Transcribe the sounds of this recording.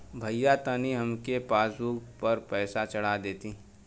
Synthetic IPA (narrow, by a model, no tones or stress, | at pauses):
bʱɐjat̪əniɦɐmkepaːsuːɡpɐɾpɛːsat͡ʃɐɽ̤ad̪eːt̪i